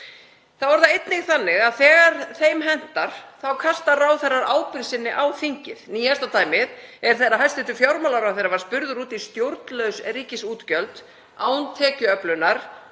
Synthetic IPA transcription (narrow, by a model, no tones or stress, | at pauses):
θavɔɾðaejt̪nɪɣθanːɪɣaðθɛːɣaɾ̥θejmɦɛn̥t̪aɾ̥θawkʰast̪arawθɛrːaɾʔaːwpɪɾsɪnːɪʔawθiɲ̥cɪðniːast̪at̪aːjmɪðɛɾ̥θejɾaɦajst̪ɪht̪ʏfjawɾmalawɾaθejɾavaɾ̥spʏɾðʏɾuːt̪ist̪jowɾt̪lœɥwsriːcɪsuːt̪cœlt̪ | aːwnt̪ʰɛːcʏœplʏnaɾ̥